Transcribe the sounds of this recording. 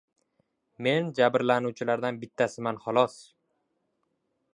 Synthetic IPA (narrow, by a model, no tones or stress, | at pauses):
me̞nd͡ʒabɾlanuwt͡ʃʰɪlaɾd̪anbɪt̪ʰːasɪmanχɒlˠɒs